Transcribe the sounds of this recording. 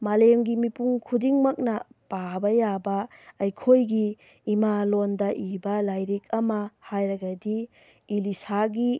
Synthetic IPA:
malemɡimipuŋkʰudiŋmɐk̚nɐpabɐjabɐɐjkʰojɡiː | malondɐʔibɐlajɾek̚ʰɐmɐhajɾɐɡɐdiː | lisaɡi

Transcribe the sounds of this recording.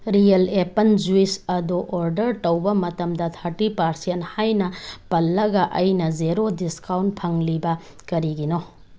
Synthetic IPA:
ɾijɐlepɐnd͡ʒuisɐduʔoɾdɐɾtɐwbɐmɐtɐmdɐt̪ʰɐɾʈipaɾsiɐnhajnɐpɐlːɐɡɐʔɐjnɐd͡ʒeɾodiskawnt̚pʰɐŋlibɐ | kɐɾiɡino

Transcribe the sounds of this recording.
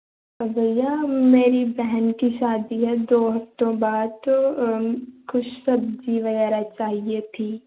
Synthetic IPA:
bɐzɐjameːɾibɛɦnkiʃaːd̪iɦɛd̪oːɦɐft̪õbaːd̪̚tt̪o | kʊt͡ʃʰsɐb̚d͡ʒiʋɐɣɛːɾat͡ʃaːɦiet̪ʰiː

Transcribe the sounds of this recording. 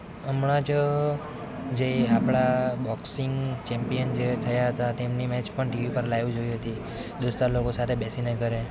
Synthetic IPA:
əmɳad͡ʒ | d͡ʒeapɽabɔksiŋɡt͡ʃɛmpijənd͡ʒet̪ʰəjaɦət̪at̪emnimɛt͡ʃpəɳʈiʋipəɾlajʋid͡ʒoiɦət̪i | d̪ost̪alokosat̪ʰebɛsinekəɾe

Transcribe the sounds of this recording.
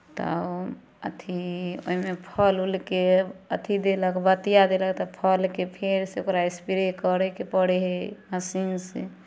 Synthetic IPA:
t̪ə̰ | ə̰t̪ʰio̰imepʰəlulkeət̪ʰid̪eləkbət̪ijad̪elək̚t̪ɔpʰəlkepʰeɾseokɾaespiɾekəɾekepəɽeɦeməsinsḛ

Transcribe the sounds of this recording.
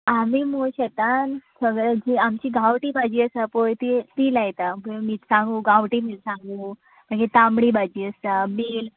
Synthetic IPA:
amiːmoɕɛt̪ansəɡɭad͡ʑiamt͡ɕiːɡʱawʈiːbʱad͡ʑiːəsapojt̪it̪iːlajt̪amomiːt̪sãŋɡũːɡaʋʈiːmiːlsãŋɡuː | m̤əɳd͡ʑet̪amɽiːbʱad͡ʑiːəst̪amiːl

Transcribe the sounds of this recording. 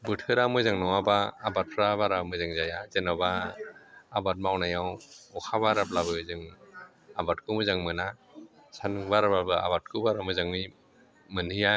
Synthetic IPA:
bɯtʰɯɾamɯjzaŋnɔwabaːbat̚pʰɾaβaɾamɯjzaŋzajazenabaː | bat̚mawnajawɔkʰaβaɾap̚laβɯzɯŋ | abat̚kʰɯmɯzaŋmɯna | sʰanɯŋbaɾablabɯa̰bat̚kʰɯbaɾamɯjzaŋmi | mɯnhɯja

